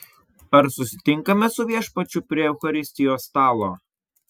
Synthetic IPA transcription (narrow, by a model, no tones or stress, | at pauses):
ɐɾsʊsʲɪ̥t̪ʲɪŋˑkɐmʲɛsʊʋʲiɛʃpɐt͡ʃʲʊpʲɾʲiɛɛʊxɐɾʲɪsʲt̪ʲɪjoːst̪ɑːlˠoː